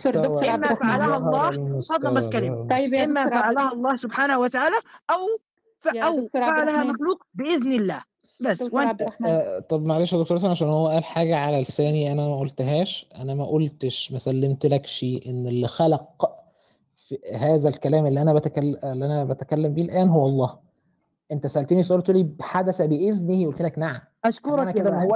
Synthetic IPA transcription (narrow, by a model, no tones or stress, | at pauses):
ʔemːæfaʕalæhɑːɑːosɑd̪ˤːɑækælæːʔemmːæfaʕalæhæɑlˤːɑːhsobħaːnæhuwæt̪aʕaːlæʔæw | fʔæwfaʕalæhæmæxluːqbeʔeðnelːæ̰ː | bæsːwʔent̪ˤɑbmæʕaleːʃæd̪okt̪oɾsænʕaʃæːnhowːæʔæːlħaːɡæʕalælsæːniʔænæmæʔolt̪ɦæːʃʔænæmæʔolt̪eʃmæsælːemt̪lækʃiːʔenːelːixælɑq | fihæːzælkælæːmelːiʔænæbæt̪ækælːelːiʔænæbæt̪ækælːæmbiːlʔæːnɦowːɑlˤːɑːh | ʔent̪æsæʔælt̪enisʔolt̪liħad̪æsæbeʔeznijeʔult̪elæknaʕam | æʃkoɾˤɑænæked̪æmhowː